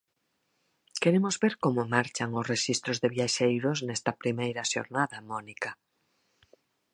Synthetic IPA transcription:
keɾemozβeɾkomomaɾt͡ʃaŋʊsreʃist̪ɾozðeβjaʃejɾoznɛst̪ɐpɾimejɾaʃo̰ɾnaðamɔnika

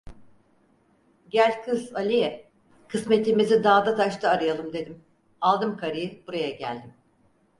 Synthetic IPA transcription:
ɟælʲkʰɯzalʲijɛ | kʰɯsmet̪ʰlʲimizid̪aːd̪at̪ʰaʃt̪ʰɯːɾɯjalˠɯmd̪e̞d̪im | alˠd̪ɯmkʰaɾɯjɯb̥uɾajaɟæ̰lʲd̪im

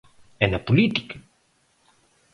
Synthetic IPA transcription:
enapulit̪ika

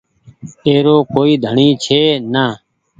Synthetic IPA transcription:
eːɾoːkoːiːd̪ʱəɳiːt͡ʃʰeːnaː

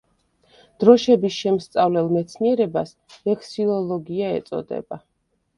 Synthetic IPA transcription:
d̪̥ɾɔʃɛbisʃɛmst̪sʼavlɛlˠmɛt̪sʰniɛɾɛbas | ɛkʰsilˠɔlˠɔɡiaɛ̰t̪sʼɔ̰d̪ɛ̰ba

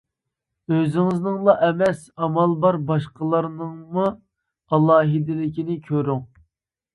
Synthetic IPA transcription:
øzɪŋɪznɨŋlˠɑʔɛmɛsɑmɑlˠbɑɾbɑʃqəlˠɑɾnɨŋmu | ɑlˠɑːɦɪd̪ɪlɪkʲinɪkʲʰøɾyŋ

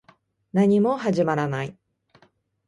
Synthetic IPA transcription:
naɲimo̞ɦaʑimaɾanai

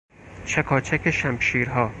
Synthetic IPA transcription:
t͡ʃʰækʰɒːt͡ʃʰækʰeʃæmʃiːɾɦɒː

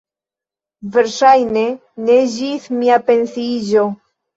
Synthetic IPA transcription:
ve̞ɾʃajne̞ | ne̞d͡ʒismiape̞nsid͡ʒo̞

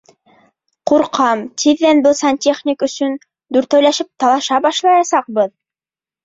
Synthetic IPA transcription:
quɾqʰɑmt̪iðːænbɤlˠsɑnʲtʲeχnʲikɵ̆sɵn | d̪ʉɾt̪æwlæʃɘp̚t̪ɑlˠɑʃɑbɑʃlˠɑjɑsɑq̚bɤð

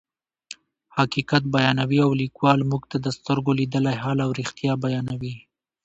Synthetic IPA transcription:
hakikat̪̚bajɑnawiawlikwɑlmuɡt̪ad̪əst̪əɾɡolid̪əlajɦɑlawɾixt̪jɑbajɑnawi

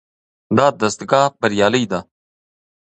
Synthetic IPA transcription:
d̪aːd̪ɐst̪ɡaːbɐɾijaːlijd̪a

